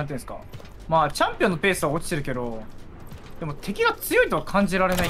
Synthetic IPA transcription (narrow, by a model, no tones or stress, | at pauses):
ãnt̪̬iɯ̃sɨ̥ka̰ | maːt͡ɕãmpʲiõ̞nːope̞ːsɨβao̞t͡ɕi̥t̪e̞ɾɯ̟ke̞d̪o̞ | d̪̥e̞mo̞t̪ʰe̞kʲiɡat͡sɨjo̞it̪oakʰãɲ̟d͡ʑiɾaɾe̞na